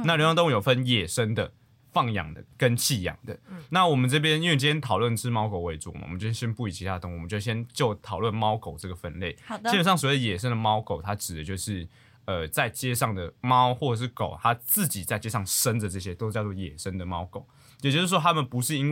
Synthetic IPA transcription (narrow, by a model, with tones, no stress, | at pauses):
na˥˩ljjt̪o˥ŋ˨jo˨˩fə˥˦njɛ˨˩ʂə˦nd̪ə˨ | fɑ˥˩ŋjɑ̰˨˩ŋd̪ə̰˩kə˦nt͡ɕʰi˥˩jɑ̰˨˩ŋd̪ə̰˩na˥˨wɔ˨˩mə˨nʈ͡ʂɤ˥˩p̬jɛ˥˦ni˥nwe˥˩t͡ɕ̬i˥jɛ˥nt̪ʰɑ˨ʊlwə˥˩n˩ʈ͡ʂʰɻ̩˥mɑ˥ʊko˨˩ʊwe˧˥ɪt͡sṵ˥˩˨m̰˨ə˨˦t͡ɕj̬̩˥˧˥ɕjɛ˥npu˥˩i˨˩t͡ɕʰi˧t̪ʰa˥˨t̪o˥ŋwɔ˨mə˦t͡ɕo˥˧˩ɕjɛ˦˥nt͡ɕjo˥˩ʊt̪ʰɑ˨˩ʊlwə˥˩nmɑ˦˥ʊko˨˩ʊʈ͡ʂɤ˥˩ɡə˩fə˥˧nle˥˩ɪi˥ɛ˨˩nʂɑ˥ŋsɔ˨˩we˥˩də˨jɛ˨˩ʂə˦nd̪ə˨˩mɑ˦˥ʊko˨˩ʊt̪ʰa˥ʈ͡ʂɻ̩˨˩d̪ə˩t͡ɕjo˥˧ʊʂɻ̩˥˩ | ə˨˩t͡sa˥˩ɪt͡ɕjɛ˥ʂɑ˥˩ŋd̪ə˩mɑ˦ʊxwɔ˥˩ɤ˨˩ʂ̬ɻ̩˥˩ko̰˨˩ʊt̪ʰa˦˥t͡sɹ̩˥˨˩t͡ɕi˨˩t͡sa˥˩ɪt͡ɕjɛ˥ʂɑ˥˩ŋʂə˦˥nd̪ə˨ʈ͡ʂɤ˥˩ɕjɛ˦t̪o˥ʂ̩˥t͡ɕjɑ˥˧ʊt͡swɔ˥˨jɛ˨˩ʂə˦nd̪ə˨mɑ˥ʊko˨˩˦ʊ | jt͡ɕjo˥ʊʂɻ̩˥˩ʂwɔ˥t̪ʰa˥mə˨npu˧˦ʂɻ̩˥˩i˥n